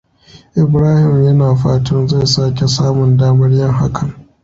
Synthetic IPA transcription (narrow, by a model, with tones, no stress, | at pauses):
ʔɪ˨bɾaː˦hɪ˨mjɐ˦naː˨ɸaː˦tʰɐ˦nza˦˨jsaː˦kʲe˨saː˦mʊ˨ndaː˦mɐ˦rjɐ˦ŋɦa˦kʰɐ˨ŋ